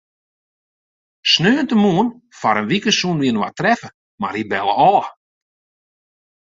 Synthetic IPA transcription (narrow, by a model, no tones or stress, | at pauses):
snøːəntəmuən | faɾənʋikəsunʋiənwa̰trɛfə | ma̰ribɛlˠə̰ʔɔː